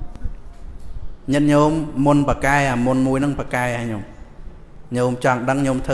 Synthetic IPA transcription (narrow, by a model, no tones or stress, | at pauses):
ɲɨt̪̚ɲoːmːunpakaɛʔamunmuəjnɨŋpakaɛʔaɲom | ɲoːmt͡ɕɑŋɗəŋɲomt̪ʰɨ